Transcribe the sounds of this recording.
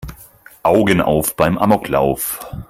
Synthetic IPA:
ʔaʊɡənʔa̰ʊfb̥aɪmʔamɔkʰla̰ʊf

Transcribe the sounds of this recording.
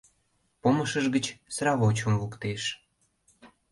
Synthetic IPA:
poməʃəʒɡət͡ɕsɾɑβot͡ɕə̆mvukt̪eʃ

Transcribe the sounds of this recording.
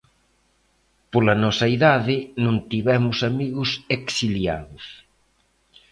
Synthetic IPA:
polɐnɔsɐiðaðɪnũnt̪iβɛmʊsamiɣʊseksilja̰ðʊs

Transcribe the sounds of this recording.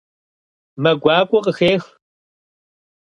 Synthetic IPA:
mɐɡʷaːkʷʼʊqʼəxeːx

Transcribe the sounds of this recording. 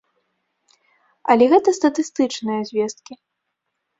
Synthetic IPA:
ɐ̰lʲɛɣɛt̪ɐst̪ɐt̪ɨst̪ɨt͡ʂnɨjɐzʲvʲɛst̪̚kʲi

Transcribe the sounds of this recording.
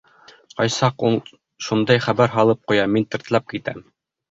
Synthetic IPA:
qɑjsɑqulˠ | ʃund̪ɑjχæβæɾɦɑlˠɤp̚qujɑmint̪ɘ̆ɾt̪lɑp̚kit̪æ̰m

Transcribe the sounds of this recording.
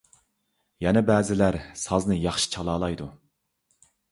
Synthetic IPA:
jɛnɛbɛːzɪlæɾsɑznɨjɑχʃi̥t͡ʃʰɑlˠɑːlˠɑjd̪u

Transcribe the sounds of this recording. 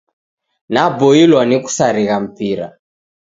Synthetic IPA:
nabɔilwaniku̥saɾiɣam̩piɾa̰

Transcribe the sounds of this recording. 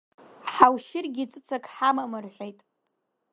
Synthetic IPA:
ħawʃɪrɡʲit͡sʷʼɨt͡sʰakʼħamamɨrħʷejtʼ

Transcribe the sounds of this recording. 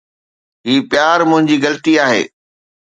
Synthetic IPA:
ɦiːpɪjaːɾmʊ̃ɦɪ̃ɲd͡ʑiːɡɐlət̪iaːɦḛː

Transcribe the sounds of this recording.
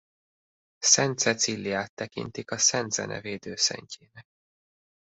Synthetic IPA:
sɛnt̪sɛt̪silːijaːt̪ːɛkḭnt̪ikɒsɛnd̪z̥ɛ̰nʔɛ̰veːd̪øːsɛ̰ɲcʰeːnɛk̚

